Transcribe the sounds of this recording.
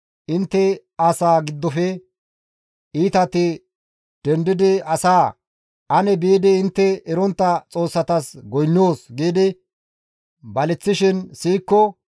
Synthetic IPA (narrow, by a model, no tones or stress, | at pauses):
ʔɪnt̪ːɛ | asaːɡɪd̪ːɔfɛ | ʔiːt̪ɐt̪ɪ | d̪̥ɛnd̪ɪd̪ɪɐsaː | ʔɐnɛbiːd̪ɪɪnt̪ːɛɛɾɔnt̪ːɐt͡sʼo̞ːsːɐt̪ɐsɡɔjnːoːsɡiːd̪ɪ | bɐlɪt͡sːɪʃɪnsiːkːɔ